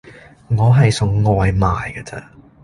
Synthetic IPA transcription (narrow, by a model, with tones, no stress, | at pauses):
ŋɔː˨˧ɦɐ˨jsʊ˨ŋŋɔː˨jmaː˨jɡə˧t͡sɐ̰˧